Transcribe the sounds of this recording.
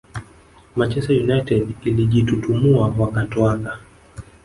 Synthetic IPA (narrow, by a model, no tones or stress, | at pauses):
mat͡ʃɛstajunajtɛdiliʄitutumuawakatwaka